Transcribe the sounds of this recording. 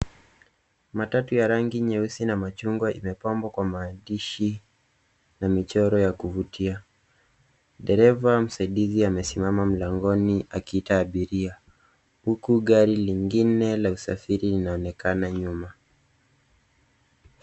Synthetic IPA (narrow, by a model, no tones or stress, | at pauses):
matatujaɾaŋɡiɲɛusinamat͡ʃuŋɡwaʔimɛpambwakwamaːdiʃi | namit͡ʃɔɾɔjakuvutʰia | ɗɛɾɛvam̩saiɗiziamɛsimamam̩laŋɡɔniʔakiitaːɓiɾia | hukuɠaɾiliŋɡinɛlausa̰fiɾilinaɔnɛkanaɲuma